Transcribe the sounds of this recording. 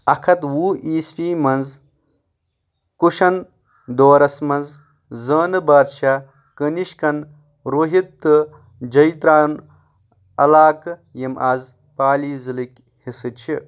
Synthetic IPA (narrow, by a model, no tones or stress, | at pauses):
ɐkʰɐt̪wuːʔiːsʈiːmɐnz | kuʃɐn | d̪oːɾɐsmɐnz | zəːnɨbaːɾʃaː | kəniʃkɐn | ɾoːɦit̪ːɨ | d͡ʒɐjt̪ɾaːn | ɐ̰laːkjɐmʔaːz | paːliːzɨlikʲ | hisɨt͡ʃʰi